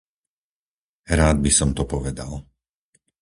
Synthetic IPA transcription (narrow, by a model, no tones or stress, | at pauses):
ɾaːd̪̚bisɔmt̪ɔpɔʋɛd̪al